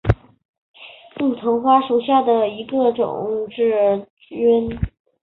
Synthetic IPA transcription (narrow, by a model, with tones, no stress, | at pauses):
lu˥˩t̪ʰɤ˧˥ŋxwa˥ʂu˨˩ɕja˥˩d̪ə˩i˧˥ɡə˧ʈ͡ʂʊ̰˨˩˦ŋʂɻ̩˥˩ | i˥n